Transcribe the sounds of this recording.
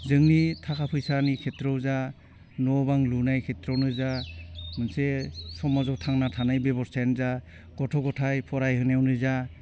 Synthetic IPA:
zɯŋnitʰakʰapʰɯjsanikʰetɾɔwza | nɔbaŋlunajkʰetɾɔnɯzamɯnsesɔmɔzɔtʰaŋnatʰanajbebɔɾstʰajnza | ɡ̥ɔtʰɔɡɔtʰajpʰɔɾajɦɯnawnɯza

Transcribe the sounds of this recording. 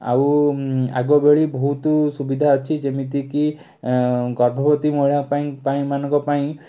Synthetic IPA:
a̰wa̰ɡɔbeɭibɔɦut̪usubid̪ʱaɔt͡ʃʰid͡ʒemit̪iki | ɡɔɾbʱɔbɔt̪imɔɭapaĩpaĩmanɔ̃ŋkɔpaĩ

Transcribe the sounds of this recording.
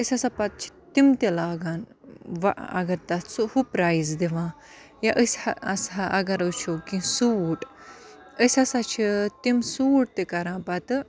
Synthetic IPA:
əsʲɐsapɐt̪̚t͡ʃʰi̥t̪imt̪ilaːɡaːnʋa̰ʔɐ̰ɡɐɾt̪ɐsuhupɾaːizd̪iʋãː | jaʔəsʲhɐɐsɦɐʔɐɡɐɾət͡ʃʰokĩsuːʈ | əsʲɐsat͡ʃʰit̪imsuːʈ̚t̪ikɐɾãːpɐt̪ɨ

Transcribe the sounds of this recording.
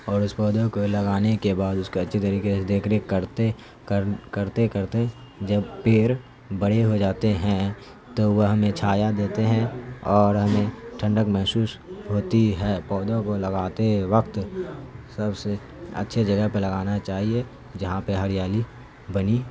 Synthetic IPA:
ɔːɾʊspɔːd̪okolɐɡaːnekebaːd̪ʊskeɐtːʃʰet̪əɾiːkesed̪eːkʰɾekəɾt̪e | kəɾt̪ekəɾt̪ẽ | d͡ʒɐbpeːɾ | bɐɽeɦod͡ʒaːt̪eɦɛ̃ | t̪oʋəɦɐmẽt͡ʃʰaːjad̪eːt̪eɦɛ̃ɔːɾɦɐmẽʈʰə̃ɳɖəkmɛɦsuːsɦoːt̪iɦɛːpɔːd̪õkolɐɡaːt̪eʋəkt̪ | sɐbse | ə̰tːʃʰed͡ʒɐɡəɦpelɐɡaːnat͡ʃaːɦie | d͡ʒɐɦãpeɦɐɾjaːli | bɐni

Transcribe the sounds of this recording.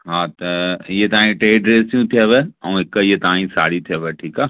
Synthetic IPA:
ɦaːt̪ɐjet̪ɐaːĩʈeːɖɾeːsjũt̪ʰieʋeɐũɪkːəjet̪ɐãːĩsa̰ːɽit̪ʰieʋeʈʰiːkaː

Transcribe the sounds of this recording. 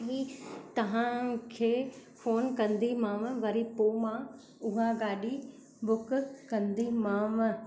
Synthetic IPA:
ɦit̪ɐʋ̤ãkʰeːfoːnkɐ̃nd̪imãːʋʋɐɾipoːmã | ʊɦaɡaːɗi | bʊkkɐ̃nd̪imãːʋ

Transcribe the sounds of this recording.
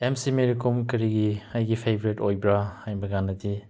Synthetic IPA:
emsimeɾikomkɐɾiɡiajɡipʰebɾetojbɾahajbɐɡanɐdi

